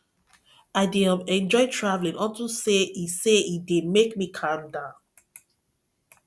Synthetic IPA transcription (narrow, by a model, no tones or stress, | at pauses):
aɪdeãmɛ̃nd͡ʒɔɪtʰɹavlĩnɔ̃ntuseiseidemekmikʰãmdã